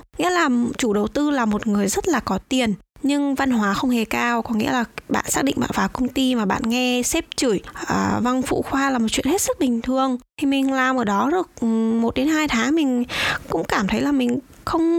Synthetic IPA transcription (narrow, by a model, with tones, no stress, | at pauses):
ŋḭ˧˥əlaː˨˩t͡ɕu˧˩ɗə˨˩wt̪ɨ˧laː˨˩mo˨˩t̚ŋɨ˨˩əjzə˦˥t̚laː˨˩kɔ˨˦t̪i˨˩ənɲɨ˧ŋva˧nhɦwaː˨˦xə˧wŋ͡mhe˨˩kaː˧wkɔ˨˩nŋḭ˧˥əlaː˨˩ɓa̰ː˧˨nsaː˦˥k̚ɗḭ˧˨ŋ̟ɓa̰ː˧˨nvaː˨˩wkə˧wŋ͡mt̪i˧maː˨˩ɓa̰ː˧˨nŋɛ˧sɛ˦˥p̚t͡ɕu˧˩jʔəː˧˩va˧ŋfṵ˧˨xwaː˧laː˨˩mo˨˩t͡ɕḭ˧ənhe˦˥t̚sɨ˦˥k̚ɓï˨˩ŋ̟t̪ʰɨ˨˩əŋt̪ʰi˨˩mï˨˩ŋ̟laː˨˩mʔəː˧˩ɗɔ˨˦zɨ˨˩ək̚mo˨˩t̚ɗe˨˦nɦaː˧jt̪ʰaː˨˦ŋmï˨˩ŋ̟kʊ̰˧˥ŋ͡mkaː˧˩mt̪ʰə˨˦jlaː˨˩mï˨˩ŋ̟ | xə˧wŋ͡m